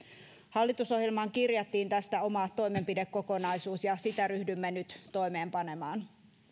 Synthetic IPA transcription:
hɑlːit̪uso̞hjelmɑŋkirjɑt̪ːiːnt̪æst̪æomɑt̪ːojme̞mpidekːo̞ko̞nɑjsuːsjɑsit̪æɾyhdymːenyt̪t̪o̞jme̞ːmpɑne̞mɑːn

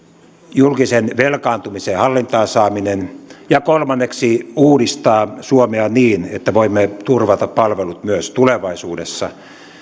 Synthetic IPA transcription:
julkisenʋelkɑːnt̪umisehɑlːint̪ɑːsɑːminenjɑkolmɑnːeksiuːdist̪ɑːsuomeɑniːnet̪ːæʋoimːet̪urʋɑt̪ɑppɑlʋelut̪myøst̪uleʋɑisuːdesːɑ̰

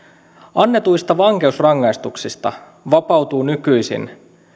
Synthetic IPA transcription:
ɑnːe̞t̪ujst̪ɑʋɑŋke̞usrɑŋːɑjst̪uksist̪ɑ̰ | ʋɑpɑwt̪uːnykyjsḭn

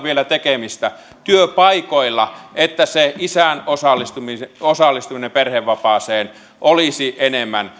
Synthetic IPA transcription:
ʋielæt̪ekemist̪æ | t̪yøpɑikoilːɑet̪ːæseisænosɑlːist̪umiosɑlːˑist̪uminemperheʋʋɑpɑːseːn | ʔolisiʔenemːæn

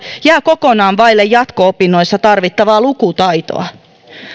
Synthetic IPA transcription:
jæːko̞ko̞nɑːnʋɑjlːejɑt̪koopinːo̞jsːɑt̪ɑrʋit̪ːɑʋɑːlukut̪ɑjt̪o̰ɑ̰

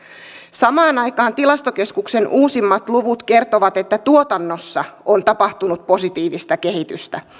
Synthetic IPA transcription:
sɑmɑːnɑjkɑːnt̪ilɑst̪oke̞skukse̞nʔuːsimːɑt̪luʋut̪ke̞rt̪oʋɑt̪e̞t̪ːæt̪uot̪ɑnːo̞sːɑʔont̪ɑpɑht̪unut̪̚po̞sit̪iːʋist̪ɑke̞ɦit̪yst̪æ

